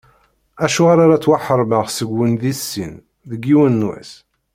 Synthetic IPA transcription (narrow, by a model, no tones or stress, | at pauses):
æʃuʁaɾaɾat͡sːwaħəɾˤməʁsəɡːənðisːḭn | ðəɡːiwənːwæ̰s